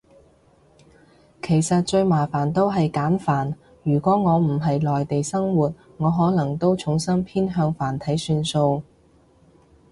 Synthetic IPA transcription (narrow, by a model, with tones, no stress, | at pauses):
kʰe˨˩jsɐ˨t̚t͡ʃɵ˧ɥmaː˨˩faː˨˩nt̪o˥wɦɐ˨jkaː˨˥nfaː˨˩n | jyː˨˩kʷɔː˨˥ŋɔː˨˧m̩˨˩ɦɐ˨jlɔː˨jt̪e˨jsɐ˥ŋwuː˨t̚ | ŋɔː˨˧ɦɔː˨˥lɐ˨˩ŋt̪o˥wt͡sʰʊ˨˥ŋsɐ˥ŋpʰiː˥nɦœː˧ŋfaː˨˩nt̪ʰɐ˨˥jsyː˧nso˧w